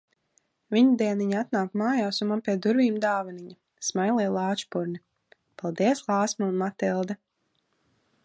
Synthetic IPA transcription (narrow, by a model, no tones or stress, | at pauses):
viɲud̪ɛɛniɲaat̪naːkmaːjaːsunmanpʲiɛd̪uɾviːmd̪aːvaniɲa | smajlˠɛjlˠaːt͡ʃpuɾni | palˠd̪iɛslˠaːsmaunmat̪ilˠd̪ɛ